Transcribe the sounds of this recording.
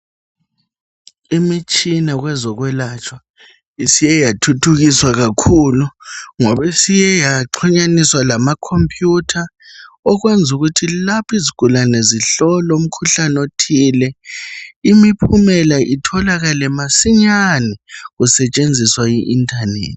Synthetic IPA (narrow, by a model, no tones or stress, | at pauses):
imit͡ʃʼinaɣwɛzɔɣwɛlat͡ʃʼwa | isijɛjatʰutʰuɣiswaɣakʰuluŋɔβesijɛjaǃʰiɲaniswalamakʰompʰʼjutʰa | ɔɣwend͡zʱuɣutʰilapʰiziɡ̥ʱulanɛziɬɔlɔum̩kʰuɬanotʰiːlɛ | imipʰumɛlaʔitʰɔlaɣalɛmasiɲanɛɣusɛt͡ʃʼend͡zʱiswajiʔːntʰʼanḛːtʰʼi̥